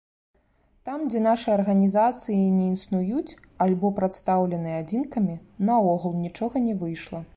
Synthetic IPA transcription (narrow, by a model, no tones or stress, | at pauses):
t̪amd͡zʲɛn̪aʂɨjɐrɣɐnʲizat̪sɨjinʲɛinst̪nujut͡sʲ | alʲbɔpɾat̪st̪awlʲɛnɨjɛad͡zʲinkɐmʲinɐɔɣulˠnʲit͡ʂɔɣɐnʲɛvɨjʂlˠɐ